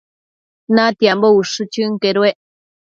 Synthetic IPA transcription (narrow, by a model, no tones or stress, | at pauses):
nãt̪iambouʂɨt͡ʃɨŋkeɾweʔ